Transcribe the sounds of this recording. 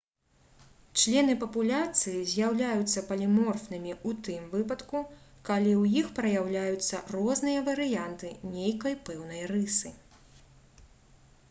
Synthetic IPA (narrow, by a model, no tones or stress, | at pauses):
t͡ʂlʲɛn̪ɨpɐpulʲat̪sɨjizʲjawlʲajut̪sːɐpɐlʲimɔrfnɨmʲiut̪ɨmvɨpɐt̪kukalʲiwjixpɾɐjawlʲajut̪sːɐ̰rɔznɨjɐvɐɾɨjant̪ɨnʲejkɐjpɛwn̪ɐjrɨsɨ